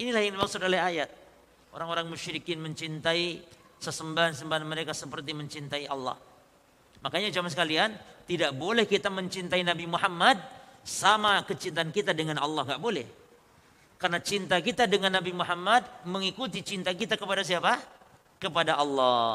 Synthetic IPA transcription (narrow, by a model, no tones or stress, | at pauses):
inilahjaŋdimaksʊt̪olɛhajat̪̚ | ʔo̰ɾaŋoɾaŋmuʃɾikɪnməɲt͡ʃint̪ai | səsəmbaɦansəmbaɦanməɾekasəpərt̪̬iməɲt͡ʃint̪aiʔɑ̰lːɑ̰h | makaɲad͡ʒamansəkaliant̪idaʔbolɛhkit̪aməɲt͡ʃint̪ainabimuɦamːad̚samakət͡ʃint̪aːnkit̪adəŋanɑ̰lːɑhɡaʔbolɛ̰h | karnat͡ʃint̪akit̪adəŋanːabimuɦamːad̚məŋikut̪̬it͡ʃint̪akit̪akəpadas̬iapa | kəpadaʔɑlːɑ